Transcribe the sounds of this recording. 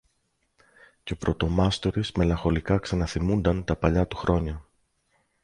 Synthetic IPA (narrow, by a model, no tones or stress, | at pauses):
ceopɾot̪o̞mɐst̪oɾizme̞lɐŋxo̞likɐksɐnɐθimund̪ɐnt̪ɐpɐʎɐt̪u̥xɾo̞ɲɐ